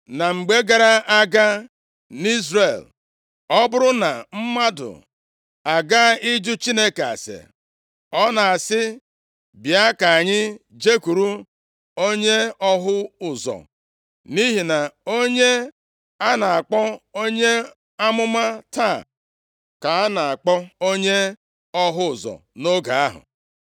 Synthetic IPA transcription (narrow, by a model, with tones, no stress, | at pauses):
na˨ŋ͡m̩˨ɡ͡be˦ɡa˨ɾa˦ʔa˦ɡa˦ | ni˦zɾe˨l | ɔ˦bʊ˦ɾʊ˦na˨m̩˦ma˦dʊ̰˨ | a˨ɡa˦ɪ˦d͡ʒʊ˦t͡ʃi˦ne˦ka˨a̰˨sḛ˨ | ɔ˦na˨a˨sɪ˦ | bja˦ka˨a˨ɲɪ˦d͡ʒe˦ku˨ɾu˦ | o˦ɲe˦ɔ˦ɦʊ˦ʊ˨zɔ̰˨ | ni˦ɦi˨na˨o˦ɲe˦ | a˦na˨a˨k͡pɔ˦o˦ɲe˦ | a˦mʊ˦ma˦ta˦˨ | ka˨a˦na˨a˨k͡pɔ˦o˦ɲe˦ | ɔ˦ɦʊ˦ʊ˨zɔ̰˨no˦ɡa˨a˦ɦʊ̰˨